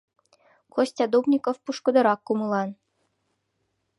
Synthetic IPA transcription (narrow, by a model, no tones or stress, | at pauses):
kosʲt̪ʲɑd̪obnʲikofpuʃkɤ̆d̪ɤ̆ɾɑkːumɯlˠɑn